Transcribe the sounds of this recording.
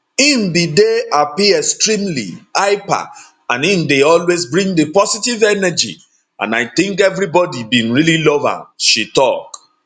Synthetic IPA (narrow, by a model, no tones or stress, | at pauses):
ĩnbideapiɛstɹĩmlḭaɪpa̰ | ãnĩndeɔlwezbɹĩŋdepɔsitivɛnɛd͡ʒḭ | ʔã̰naɪθĩŋkɛvɹibɔdibĩnɹililɔva̰ʃitɔk